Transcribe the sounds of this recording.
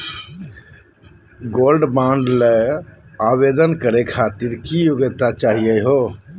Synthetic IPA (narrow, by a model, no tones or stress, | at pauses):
ɡolɖbãɳɖle | aβed̪ənkəɾekʰat̪iɾkijoɡət̪at͡ʃaɦijəɦo